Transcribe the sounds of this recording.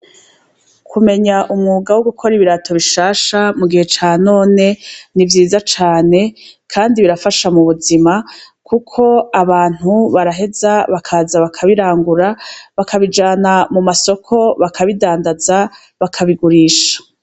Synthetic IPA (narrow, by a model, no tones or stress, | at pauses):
kʰume̞ɲaʔumŋuːɡawoɡukʰo̞ɾiβiɾatʰo̞βiʃaːʃamuɡihe̞t͡ʃaːno̞ːne̞nivjiːzat͡ʃaːne̞kʰaːndiβiɾafaʃamuβuzima | kʰukʰo̞aβaːn̥huβaɾaɦe̞zaβakʰaːzaβakʰaβiɾaːŋɡuɾaβakʰaβid͡ʒaːnamumaso̞kʰo̞βakʰaβidaːndaza | βakʰaβiɡuɾiːʃḁ